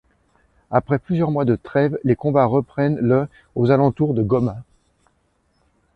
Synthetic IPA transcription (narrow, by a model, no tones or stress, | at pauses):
apχɛplyzjœʁmwad̪ət̪χɛvlekɔ̃baʁəpχɛnlə | ozalɑ̃t̪uʁd̪əɡɔma